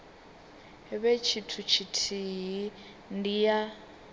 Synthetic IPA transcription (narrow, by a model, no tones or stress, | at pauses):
ɦɛβet͡ʃʰitʰut͡ʃʰitʰiɦi | ndija